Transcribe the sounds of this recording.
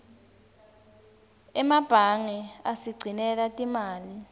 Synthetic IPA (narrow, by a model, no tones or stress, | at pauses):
ɛmab̥ʱaŋɛasiɡ͡ǀʱinɛlatʼimaːli